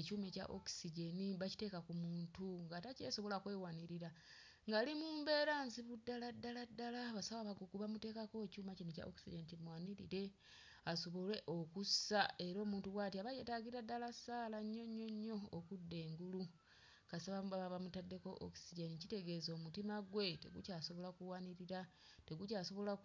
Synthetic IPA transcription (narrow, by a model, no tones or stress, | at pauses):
ecuːme̞ca̰ʔo̰ksiɟeniβaci̥te̞ːkakumuːntuŋɡataceːso̞βo̞lakwe̞ːwaniɾiɾa | ŋɡalimuːmbe̞ːɾaːnziβudːaladːaladːalaβasawaβaɡukuβamute̞ːkako̞cuːmacineca̰ʔo̰ksiɟenitimwaːniɾḭɾe̞ | aso̞βo̞le̞ʔo̞kusae̞ɾo̞ːmuːntuwaːtiaβajetaɡiiɾadːalasaːlaɲːo̞ɲːo̞ɲːo̞ːkudːe̞ːŋɡulu | kasaβaβaβamutadːe̞koʔo̰ksiɟenicite̞ɡe̞zo̞mutimaɡwe̞tḛɡucaːso̞βo̞lakuwaniɾiɾa | te̞ɡucaso̞βo̞la